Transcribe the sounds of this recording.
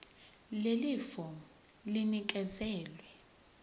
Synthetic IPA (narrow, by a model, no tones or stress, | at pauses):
lelifɔ | linik̬ʼɛzɛːlwɛ